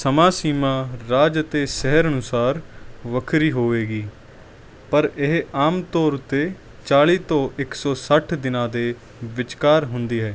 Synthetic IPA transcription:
səmãːsiːmaːɾaːd͡ʒət̪eːsɛɦəɾənʊsaːɾʋəkʰɾiːɦoːʋeːɡiː | pəɾɪɦaːmt̪ɔːɾʊt̪ːeː | t͡ʃaːliːt̪õːʔɪksɔːsəʈʰd̪ɪnãːd̪eː | ʋɪt͡ʃkaːɾɦʊnd̪iːɦɛː

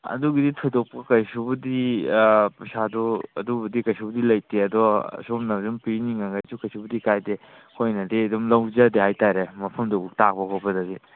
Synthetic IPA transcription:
ɐ̰duɡiditʰojdɔk̚pakɐjsubɐdi | psadɔɐ̰dubɐdikɐjsubɐdilɐjteɐdɔ̰somnɐdumpiniŋaɡasukɐjsubɐdikajde | kʰojnɐdedumlɐwzadeɦajtaɾemɐpʰɐmdɔbuk̚tak̚bakʰɔpɐdadi

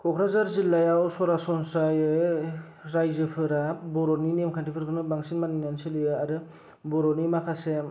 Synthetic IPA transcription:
kʰɔkʰɾazaɾzilːajawsɔɾasɔnsajɯ | ɾajzɯpʰɯɾabɔɾɔninemkʰantipʰɯɾkʰɯnɯbaŋsinmaninansɯlɯjɯaɾɯ | bɔɾɔnimakʰasem

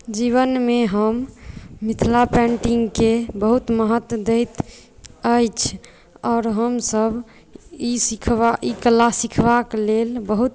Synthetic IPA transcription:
d͡ʒiβənmeɦəmː | it̪ʰlapɛ̃ɳʈiŋɡkebəɦut̪məɦət̪d̪ejt̪ | əjt͡ʃʰ | ɔːɾɦəmsəb | isikʰaikəlasikʰbaklelbəɦut̪

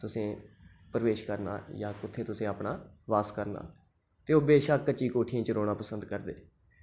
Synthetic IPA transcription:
t̪ʊsẽː | pəɾəʋeːʃkəɾna̰ːjãːkʊt̪ʰːeːt̪ʊsẽːapɳaːʋaːskəɾna̰ː | t̪eːoːbeːʃaːət͡ʃːiːkoːʈʰijãːt͡ʃəɾoːɽaːpəsə̃nd̪kəɾd̪ḛː

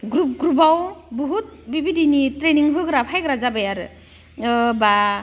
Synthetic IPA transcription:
ɡɾup̚ɡɾubawbɔɦut̚bibidinitɾeniŋɦɯɡɾapʰajɡɾazabajaɾɯ | ba

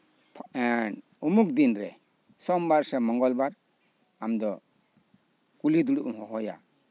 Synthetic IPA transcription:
pʰɛn | umuk̚d̪inɾɛ | sɔmbaɾsɛmɔŋɡɔlbaɾ | amd̪ɔ | kulid̪uɽuʔumhɔɦɔja̰

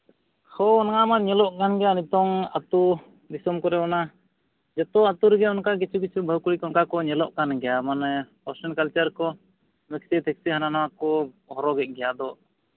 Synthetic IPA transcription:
hɔɔnaŋamanɲɛlɔʔkanɡɛjanit̪ɔŋat̪u | d̪isɔmkɔɾɛɔna | d͡ʒɛt̪ɔat̪uɾɛɡɛɔnkak̬it͡ʃʰuk̬it͡ʃʰubʱəwkuɽikɔnkakɔɲɛlɔʔkanɡɛjamanpɔɾsɛnkalt͡ʃaɾkɔ | mɛksit̪ʰɛk̚siɦananawakɔ | hɔɾɔɡɛʔ̚ˀɡɛjad̪ɔ

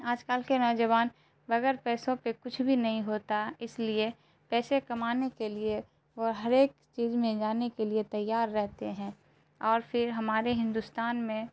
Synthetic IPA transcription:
aːd͡ʒkaːlkenɔːd͡ʒəʋaːn | bɐɡɛːɾpɛːsõpekʊt͡ʃʰbʱinɐɦĩɦoːt̪aɦɛɪslie | pɛːsekɐmaːnekelie | ʋoɦɐɾeːk̚ | t͡ʃiːzmẽd͡ʒaːnekeliet̪ɐjːaːɾːɛɦt̪eɦɛ̃ː | ɔːɾfʰɪɾɦɐmaːɾeɦɪ̃nd̪ʊst̪aːnmẽ

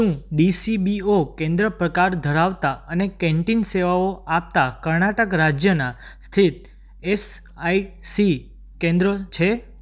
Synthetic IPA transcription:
ʃũɖisibiokɛ̃nd̪ɾəpɾəkaɾd̪ʱəɾaʋt̪aənekɛ̃ɳʈinseʋaoap̚t̪akəɾnaʈəkɾad͡ʒjənast̪ʰit̪̚ | es | aisi | kɛ̃nd̪ɾət͡ʃʰe

